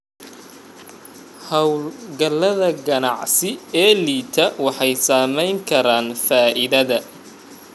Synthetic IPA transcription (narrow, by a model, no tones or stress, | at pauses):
hɐwlɡɐlːɐðɐɡɐnɑʕsɪɛːliːt̪ʰɐwɑħɑjsaːmɛjŋkʰɐɾaːnfaːʔɪðɐðɐ